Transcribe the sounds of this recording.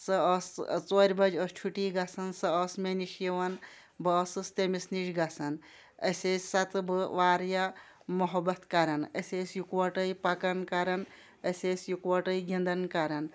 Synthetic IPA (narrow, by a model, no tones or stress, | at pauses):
sɨɐst͡soːɾʲbɐd͡ʒɔst͡ʃʰuʈiːɡɐsɐnsɨɔsmeniʃjiʋɐn | bɨɐsɨst̪emisniʃɡɐsɐn | ə̰sʲeːsʲsɐt̪bɨʋaːɾja | mɐɦɐbɐt̪kaɾɐnɐsʲeːsʲjukʋɐʈəjpɐkɐnkaɾɐn | əsʲesʲjukʋɐʈɐjɡʱʲind̪ɐnkaɾɐn